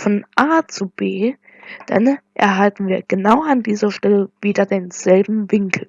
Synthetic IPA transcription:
fɔnʔaːt͡sub̥eː | d̥a̰nʔɛ̰ɐɦaltn̩viːɐɡ̥ənaʊandiːzɐʃtɛləviːdɐdeːnz̥ɛlbm̩vɪŋkʰl̩

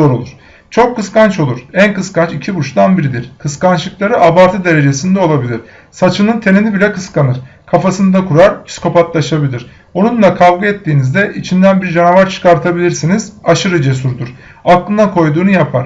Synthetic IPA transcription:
zo̞ɾolˠuɾ̥ | t͡ʃʰo̞kʰːɯskant͡ʃo̞lˠuɾ̥ænkɯskant͡ʃicʰibut͡ʃt̪anbiɾid̪iɾkʰɯskant͡ʃlˠɯklˠaɾɯabaɾt̪ʰɯd̪e̞ɾe̞d͡ʒe̞sind̪ɛo̞lˠabilʲiɾ̥ | sat͡ʃʰɯnɯnt̪ʰe̞ninibilʲɛkɯskanɯɾ̥kʰafasɯnd̪akʰuɾaɾpʰi̥skʰo̞pat̪lˠaʃabilʲiɾ̥ | onunlˠakʰavɡaɛt̪ʰːiːnizd̪ɛʔit͡ʃʰind̪ænbiɾd͡ʒanavaɾt͡ʃʰɯ̥kaɾt̪ʰabilʲiɾsinizaʃɯɾɯd͡ʒesuɾd̪uɾ̥ | aklˠɯnd̪akʰo̞jd̪uːnujapʰaɾ̥

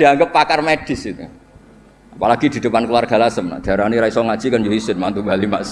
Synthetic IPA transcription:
diaŋɡəpːakarmed̥ɪsit̪u | apalaɡidi̤dəpankluwarɡ̥a̤lasəmna̰d̥a̤ɾaniɾaisɔŋad̥ʒ̥ikand͡ʒoɦisɪnmant̪umbalimas

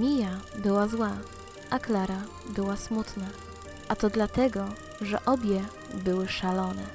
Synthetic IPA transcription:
mʲijabɘwazwa | ʔaklaɾa | bɘwasmut̪na | ʔat̪ɔd̪lat̪ɛɡɔ | ʐɛ̰ʔɔbʲjɛ | bɘwɘʂalɔnɛ̰

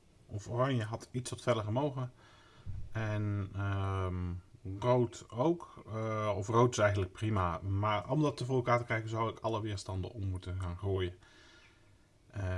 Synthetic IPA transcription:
ʔɔforɑɲjəɦɑtʰitsɔtfɛləχəmowɣə | ɛnəmrowtowk | ɔfrowtɪ̥sɛjɣəntlək̚primamaːɹɔ̰mdɑtːəvoːəlˠkaːɹtəkrɛjkənzawɪkʰɑlˠəʋɪːɹstɑndə̰ɔmːutəxaːnχoːjə

